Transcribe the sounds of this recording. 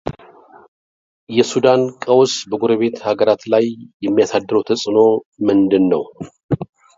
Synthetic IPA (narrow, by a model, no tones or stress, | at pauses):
jɛsud̪ankʼəwsbəɡuɾəβe̞t̪haɡəɾat̪lajjɛmːijasad̪ːɨɾəwt̪ʰəsʼɨno̞mɨnd̪ɨnːəw